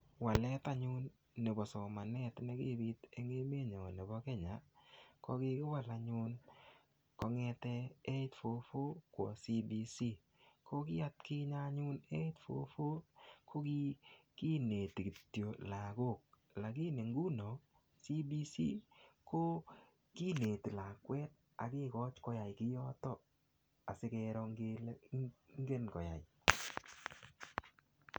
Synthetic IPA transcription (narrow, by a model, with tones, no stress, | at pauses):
wa˨lɛ˦t̪a˦ɲʊ˦nː | e˨bɔ˨sɔ˨ma˨nɛ˦t̪nɛ˦ɡɪ˦˨bi˦t̪e˨ŋe˦me˦ɲɔ˨ne˨bɔ˦kɛ˦ɲa˨kɔ˦ɡɪ˦kɪ˦wa˨la˨ɲʊ˦n | kɔ˦ŋɛ˧t̪ɛ˦e˦tfo˦fo˦kwɔ̰˨si˦bi˨si˦ | ko˦ɡɪ˦a˦t̪kɪ˦ɲa˦ɲʊ˦ne˦tfo̰˦fo˦kʰo˦ɡɪ˦ki˦ne˨t̪i˨ki˨tːjo˨la˨ɡo˦˨k̚ | la˨k̬ɪ˦ne˨ŋɡu˦no˨ | si˦bi˦sḭ˦ko˦ | ki˦ne˨ti˨la˨kwɛ˦t̪̚ | a̰˨kɪ˦kɔ˦t͡ʃkɔ˦ja˨jkɪ˦jɔ˦tɔ˦ | a˨sɪ˦kɛ˧ɾɔ˧ŋɡ | ŋ˦ɡe˦nkɔ˨ja̰˨jɪ